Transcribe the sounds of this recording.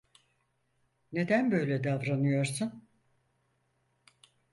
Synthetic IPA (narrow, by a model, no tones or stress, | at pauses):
ne̞d̪ænbø̞jlʲɛd̪avɾanɯjoɾsun